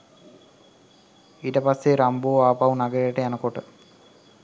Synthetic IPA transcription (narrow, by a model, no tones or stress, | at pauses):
iʈɐpɐsːeɾɐmboːaːpɐʋnɐɡɐɾejʈːejanɐkoʈːɨ